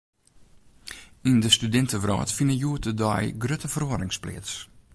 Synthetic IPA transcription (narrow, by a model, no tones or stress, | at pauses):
indəstydɪntəʋrɔ̰ːtfinəjuət̚ədɔ̰jɡrøtəfəroəɾɪŋsplɪ̰ːts